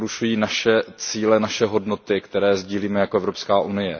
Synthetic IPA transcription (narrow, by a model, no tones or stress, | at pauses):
ɾuʃujiːnaʃɛt͡siːlɛnaʃɛɦo̞dno̞t̪ɪkt̪ɛɾɛːzɟiːliːmɛjakoɛvɾopskaːʔunɪjɛ